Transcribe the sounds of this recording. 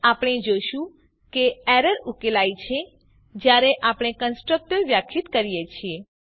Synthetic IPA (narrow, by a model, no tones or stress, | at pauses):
apɽ̃ed͡ʒoʃũ | keɛɾəɾukelajt͡ʃʰe | d͡ʒjaɾeʔapɽ̃ekənsʈɾək̚ʈəɾʋjakʰit̪kəɾijet͡ʃʰie